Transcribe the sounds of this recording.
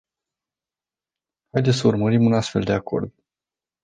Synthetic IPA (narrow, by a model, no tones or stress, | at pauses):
hajd̪e̞t̪səurməɾimunast̪fe̞ld̪e̞ako̞̰rd̪